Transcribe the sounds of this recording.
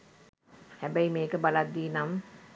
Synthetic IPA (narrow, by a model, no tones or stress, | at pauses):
hæbæjimeːkəbalad̪ːiːnam